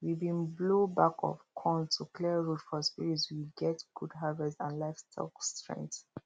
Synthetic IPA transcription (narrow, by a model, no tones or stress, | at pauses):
wibĩnblobakʰɔ̰fkʰɔ̃ntʰukʰliəɹutfɔspiɹitswiɡɛtɡ̥udɦavɛstãnlaɪfstʰɔ̰kstɹɛ̰̃ŋkt